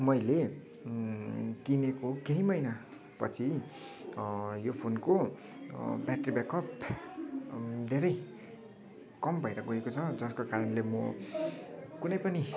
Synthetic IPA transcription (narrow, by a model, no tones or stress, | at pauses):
mʌjle | kinekokeɦimʌjna | pʌ̰t͡sʰi | jopʰonko | bjaʈribekʌp | d̪ʱeɾʌj | kʌmbʱʌjɾʌɡoekot͡sʰʌd͡zʌskokaɾʌnlemʌ̰ | kunʌjpʌni